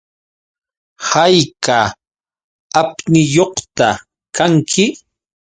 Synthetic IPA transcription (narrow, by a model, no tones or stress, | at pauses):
hajka | apnɪjoχt̪a | kaŋkʰɪ